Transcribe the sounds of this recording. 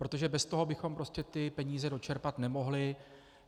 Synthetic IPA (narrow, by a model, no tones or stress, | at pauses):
pɾo̞t̪o̞ʒɛbɛst̪o̞ɦobɪxo̞mpɾo̞scɛt̪ɪpɛɲiːzɛdo̞t͡ʃɛɾpat̪nɛmo̞ɦlɪ